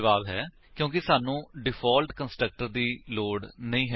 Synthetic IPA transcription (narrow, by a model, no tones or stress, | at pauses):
ʋaːbɦɛː | kjõːk̬ɪsaːnũːɖɪpʰɔːlʈkənsʈɾək̚ʈəɾd̪iːloːɽnəĩːɦɛ